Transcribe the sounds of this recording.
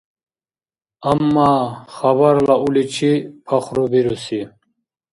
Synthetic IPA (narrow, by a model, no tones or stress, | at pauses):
amːaːχɐβaɾlaulit͡ɕʰipʰaχɾubiɾusi